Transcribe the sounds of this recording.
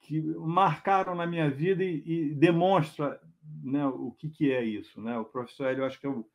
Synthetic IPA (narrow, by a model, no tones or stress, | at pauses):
kɪmaɾkaɾɐ̃w̃nɐmĩɲɐvid̪ɐɪːd̪emõʃt̪ɾɐnɛʊʊkɪkɪɛisʊnɛʊpɾofe̥soɾɛlewaʃʊ̥kɪɛw